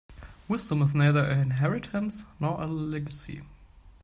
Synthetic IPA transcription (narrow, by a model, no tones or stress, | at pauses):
wɪzdə̃mɪznaɪðə˞ʔɨɪ̃nɦɛɹɪtʰə̃nsnɔɹʔəlɛɡəsḭ